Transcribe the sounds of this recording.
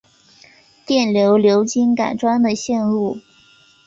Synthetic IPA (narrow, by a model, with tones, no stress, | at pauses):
t̪jɛ˥˩nljo˧˥ʊljo˧˥ʊt͡ɕi˥nka̰˨˩nʈ͡ʂwa˥nd̪ə˨ɕjɛ˥˧nɻu˥˩